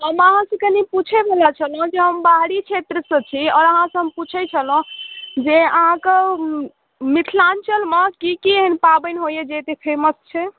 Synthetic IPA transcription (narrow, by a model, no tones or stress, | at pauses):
ɦəməɦãsə̃kəniput͡ʃʰebelat͡ʃʰəlɦũd͡ʒeɦəmbaɦɽit͡ʃʰet̪ɾəsə̃t͡ʃʰiɔːɾəɦãsə̃ɦəmput͡ʃʰɛt͡ʃʰəlũd͡ʒeəɦãke | mit̪ʰlant͡ʃəlməkikieɦənpabənɦojed͡ʒet̪epʰeməst͡ʃʰɛ